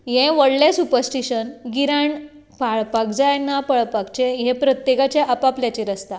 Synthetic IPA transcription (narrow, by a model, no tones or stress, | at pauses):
jẽʋəɽlẽsupəɾsʈiɕənɡiɾaɳ | paɭpakd͡zajnːapəɭpakt͡ɕẽɦẽpɾət̪jekat͡ɕeʔəpapljat͡ɕiɾəst̪a